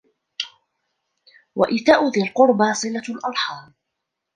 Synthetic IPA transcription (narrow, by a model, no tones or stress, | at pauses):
wa̰ʔɪθaːʔʊðalqʊɾbasˤɨlalʔɑɾˤħɑːl